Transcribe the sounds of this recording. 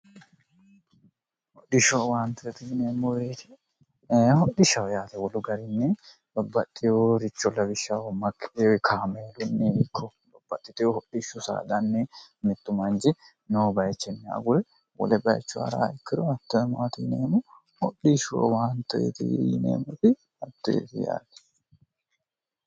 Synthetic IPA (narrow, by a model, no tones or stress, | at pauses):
hɔɗɪʃowaːnt̪ʊɛt̪ɪneːmːɔbeːt̪ɪ̥ | hɔɗɪʃɐwjaːt̪ɛwɔlʊɡɐɾɪnːɛ | bɐbːɐt̪ʼːɪjoːɾɪt͡ʃːɔlːɐbɪʃːawɔmɐkʰːʔewkʰaːmeːlʊnːeɪkʰːɔ | bɐbːɐt̪ʼːɪt̪ɪjohɔɗːiʃːʊsa̰ːd̪ɐnːemɪt̪ːʊmɐnd͡ʒɪ | noːbɐjt͡ʃːɛnːɛa̰ɡʊɾɛ | wɔ̰lɛbɐjt͡ʃːʊhɐ̰ɾa̰ːɪkːɪɾɔɐt̪ːɔɛmaːt̪inḛːmʊ | hɔɗiːʃʊɔ̰waːnt̪ːɔḛt̪inḛːmɔt̪ɪ | ɐt̪ːɔḛt̪ɪja̰ːlɛ̥